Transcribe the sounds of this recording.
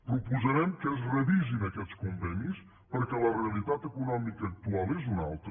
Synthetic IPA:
pɾupuzəɾɛmkɛz̬rəðizinəkɛt̪skumvɛnis | pəɾkɛləreəlˠit̪at̪əkunɔmikəːk̚t̪ualˠezunalˠt̪

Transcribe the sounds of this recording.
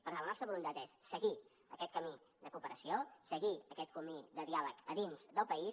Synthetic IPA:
pəɾalənɔst̪ɾəβulunt̪at̪esːəɣi | əkɛt̪̚kəmid̪əkupəɾəsiosəɣiəkɛt̪̚kumid̪əðialəkəðinzðəlˠpəi

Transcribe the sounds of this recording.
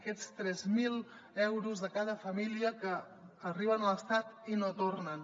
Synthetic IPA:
kɛt͡st̪ɾɛzmilˠ | ɛwɾuzðəkað̞əfəmiliəkəː | riβənələst̪at̪inot̪ornən

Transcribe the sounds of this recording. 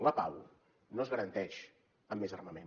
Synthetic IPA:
ləpaw | noəzɣəɾənt̪ɛʃ | əmːezərməmen

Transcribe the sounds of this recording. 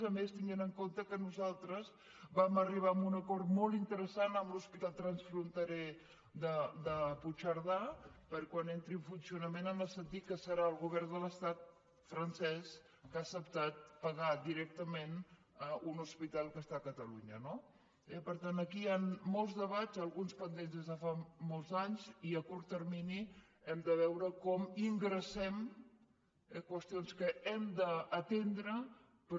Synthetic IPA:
zəmest̪iŋɡenəŋkont̪əkənuzalˠt̪ɾəz | βaməriβ̞aəmunəkɔɾt̪mɔlˠint̪əɾəsanəmluspit̪at̪ɾənsfɾunt̪əɾɛ | d̪əd̪əput͡ʃəɾðapəɾkwanent̪ɾiɱfunsiunəmenəmbəsənt̪it̪̚kːəsəɾaəlˠɣuβɛrnd̪ələst̪at̪̚ | fɾənsɛs | kaːsəpt̪at̪̚pəɣad̪iɾɛk̚t̪əmen | əunuspit̪alˠkəst̪akət̪əluɲəno | ɛpəɾt̪anəkianmɔlˠzðəβazəlˠɣunspənd̪enzðezðəfamɔlˠzaɲziəkuɾt̪ːərmini | ɛmd̪əβ̞ɛwɾəkɔmiŋɡɾəsɛm | kwəst̪ionskəɛmd̪əːt̪end̪ɾə | pə

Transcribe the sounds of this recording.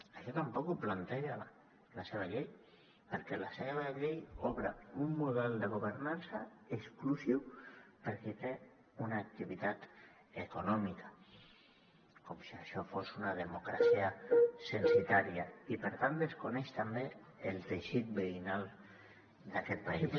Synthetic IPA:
aʃɔt̪ampɔkuplant̪eʒa | laseβ̞aʎej | pəɾkɛlaseβaʎejɔβɾaumːuðɛlˠd̪əɣ̞uβəɾnansaeksklusiwpəɾkit̪e | unaːk̚t̪iβit̪at̪ | ekunɔmikḁ | komsiaʃɔfosunaðəmukɾasiasənsit̪aɾiaipəɾt̪ant̪d̪əskunɛʃt̪ambeː | lˠt̪eʃit̪̚beinalˠ | d̪akɛt̪̚pais

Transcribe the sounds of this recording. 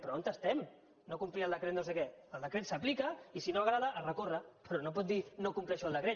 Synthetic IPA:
pɾoont̪əst̪ɛm | nokumpɾialˠd̪əkɾet̪nosekɛəld̪əkɾet̪saplikaisinoaɣɾaðaʔːrəkorəpɾɔnop̬ɔt̪̚d̪inokumpɾiaʃɔalˠd̪əkɾe

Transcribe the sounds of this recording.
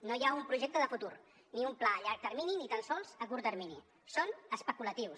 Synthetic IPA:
nojaumpɾuʒek̚t̪əðəfut̪uɾ | niumplaʎaɾk̚t̪əɾmininit̪ansɔlˠzəkuɾt̪əɾmini | sonəspəkulət̪iws

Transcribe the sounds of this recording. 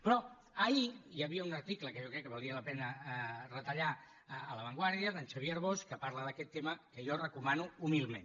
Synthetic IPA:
pɾɔ | əijəβiəunəɾt̪ikləkəʒɔkɾɛkːəβulˠiələpɛnərət̪əʎaː | ləβəŋɡwaɾðiəðənsəβiəɾβ̞oskəpaɾləðəkɛt̪ːeməkəjɔrəkumanuumilˠmḛ̃n

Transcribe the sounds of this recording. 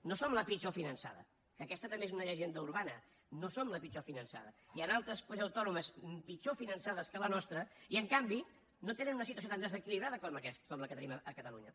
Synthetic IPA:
nosomləpit͡ʃofinənsa̰ðə̰ | kəːkɛst̪ət̪əmbezunəʎəʒend̪əuɾβanə | nosomləpit͡ʃofinənsa̰ðəiənalˠt̪ɾəspozəwt̪ɔnuməsmpit͡ʃofinənsaðəskələnɔst̪ɾəiəŋkambi | not̪enənunəsit̪uəs̬ot̪and̪əzəkiliβɾaðəkoməkɛst̪kɔmləkət̪əniməəkət̪əlṵɲə̰

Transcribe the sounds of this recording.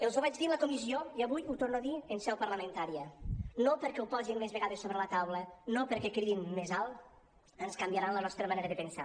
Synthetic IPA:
elˠzuβad͡ʒðiləkumizioiaβujut̪oɾnoaðiensɛwpəɾləmẽnt̪aɾiənopəɾkɛuwpɔzinlezβeɣaðesːoβɾələt̪awlənopəɾkɛkɾiinmezalˠ | ənskambjaɾanlənɔst̪ɾəmaneɾəðəpensa̰

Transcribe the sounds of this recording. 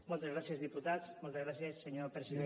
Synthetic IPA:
mɔlˠt̪ezɣɾasjəzðiput̪at͡smɔlˠt̪ezɣɾasjəsːeɲopɾesiðe

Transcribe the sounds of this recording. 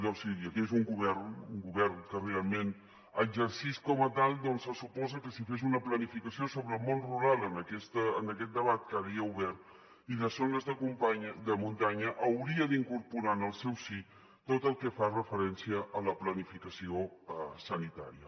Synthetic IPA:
d̪ɔsiiəkezuŋɡuβɛrnuŋɡuβɛrnkərealˠmen | əɡzəɾsiskɔmət̪alˠd̪ɔnsəsupɔzəkəsifez̬unəplənifikəsiosoβɾəːlˠmonruɾalˠənəkɛst̪əənəkɛt̪̚d̪əβat̪̚kəβiəuβɛɾt̪ | iðəsonəzðəkumpaɲd̪əmunt̪aɲəʔəwɾiəðiŋkuɾpuɾanəlˠsɛwsi | t̪ot̪əlˠkəfarəfəɾɛnsiəʔələplənifikəsiosənit̪a̰ɾiə̰

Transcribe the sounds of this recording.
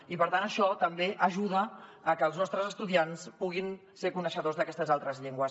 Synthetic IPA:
ipəɾt̪anəʃɔt̪əmbeʔəʒuð̞əːkəːlˠznɔst̪ɾəzəst̪uðianspuɣ̞in | seɾkunəʃəðozðəkɛst̪əzalˠt̪ɾəzʎeŋɡwəs

